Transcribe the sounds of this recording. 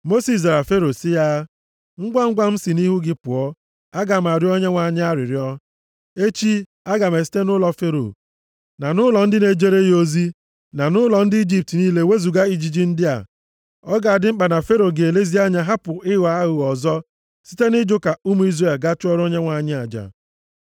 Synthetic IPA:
mo˦si˨s̬a˨ɾa˨fe˦ɾo˨sɪ˦ja˦ | ŋ̩˦ɡʷa˦ŋ̩˦ɡʷa˦m̩˦si˨ni˦ɦu˦ɡɪ˦pʊ˨ɔ˦ | a˦ɡa˨m˨a˨ɾɪ˦ɔ˦ɲe˦ŋʷa˨ɲ˦a˦ɾɪ˨ɾɪ˨˦ɔ˦ | e˦t͡ʃi˦ | a˦ɡa˨me˨si̥˦te˦nʊ˦lɔ˦fe˦ɾo̰˨ | na˨nʊ˦lɔ˨n̩˦dɪ˦ne˨d͡ʒe˦ɾe˦jo˦zi˦ | na˨nʊ˦lɔ˨n̩˦dɪ˦i˦d͡ʒi˦˨p̚tniː˦le˦we˦zu˨ɡa˦i˨d͡ʒi˨d͡ʒi˦n̩˦dɪ˦a̰˨ | ɔ˦ɡa˨dɪ˦m̩˦k͡pa˨na˨fe˦ɾo˨ɡe˨le˦zi˦a˦ɲa˦ɦa˦pʊ˨ɪ˦ɣa˨a˦ɣʊ˨ɔ˨zɔ˦ | si̥˦te˦nɪ˦d͡ʒo˦ka˨u˦mu˨˦i˦zre˨lɡa˦t͡ʃʊ˦ɔ˦ɾo˦ɲe˦ŋʷa˨ɲɪ˦a˨d͡ʒa̰˨

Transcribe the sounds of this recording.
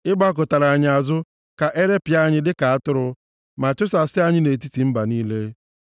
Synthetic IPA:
ɪ˦ɡ͡ba˦k̬ʊ˨ta˨ɾa˨a˨ɲɪ˨a˨zʊ˦ | ka˨ʔe˦ɾe˦pɪ˨a˦ɲɪ˦dɪ˦ka˨a˦tʊ˦ɾʊ˦ | ma˨t͡ʃʊ˦sa˨sɪ˦a˦ɲɪ˦ne˨ti˦ti˨m̩˦ba˨niː˦le˦

